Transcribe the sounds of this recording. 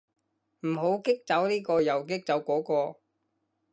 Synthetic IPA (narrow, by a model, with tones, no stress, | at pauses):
m̩˨˩ɦo˨˥wkɪ˥k̚t͡sɐ˨˥wniː˥kɔː˧jɐ˨˩wkɪ˥k̚t͡sɐ˨˥wkɔː˨˥kɔː˧